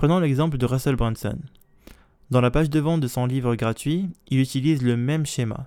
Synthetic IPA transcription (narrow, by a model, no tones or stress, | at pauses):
χənɑ̃lɛɡzɑ̃pləd̪əʁasɔlbʁɛ̃nsɔ̰n | d̪ɑ̃lapaʒd̪əvɑ̃t̪d̪əsɔ̃livʁəɡʁat̪ɥiilyt̪ilizləmɛmʃema̰